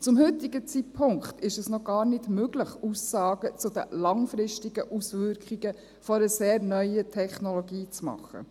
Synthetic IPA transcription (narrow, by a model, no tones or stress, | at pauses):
t͡sʊmɦʏtiɡət͡sitpʰʊŋkχt̪ɪʃɛsnɔɡ̥ɑːɾnɪdmøɡləχusɑːɡət͡sʊd̥̪ə̰lɑŋfɾɪʃtiɡəʔusʋʏɾkχiɡə | fɔɾəseːɾnœʏətʰɛχnolɔɡiːt͡smɑ̰χːə̰